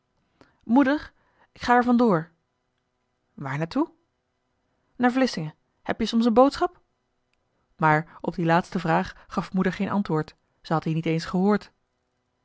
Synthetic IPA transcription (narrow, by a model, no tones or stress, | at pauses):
mudəɹ | ɪkχaːɛɹvɑndʊːɹ | ʋaːɹnaːɹtu | naːɹvlɪsɪŋə | hɛpjəsɔms̬ənbowtsχɑp | maːɹɔb̚dilaːtstəvraːχχɑfmudəɹχejnʔɑ̰ntʋʊːɹt | zəɦɑtɦiːnitejnsχəɦʊːɹt